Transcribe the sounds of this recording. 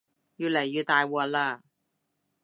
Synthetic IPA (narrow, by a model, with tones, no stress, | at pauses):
jyː˧˩lɐ˨˩jːyː˧t̪aː˧jwɔː˧laː˧˩